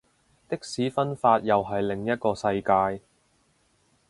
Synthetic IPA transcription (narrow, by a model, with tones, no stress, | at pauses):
t̪ɪ˥k̚siː˨˥fɐ˥nfaː˧t̚jɐ˨wɦɐ˨jlɪ˨˩ŋjɐ˥t̚kɔː˧sɐ˧jkaː˧j